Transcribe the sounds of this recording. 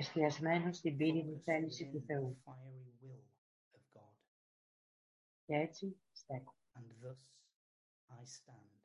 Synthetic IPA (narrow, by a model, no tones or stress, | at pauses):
st̪iɐzme̞nost̪ibiɾit̪iθe̞lisit̪uθe̞ufaɪəɹiwɪlˠ | əvɡɔd̥ | ceet͡si | st̪eko̥ | ə̃nðʌs | aɪstãnd̥